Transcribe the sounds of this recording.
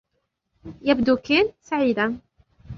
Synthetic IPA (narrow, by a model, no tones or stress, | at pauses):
jabd̪uːkeːnsaʕiːd̪an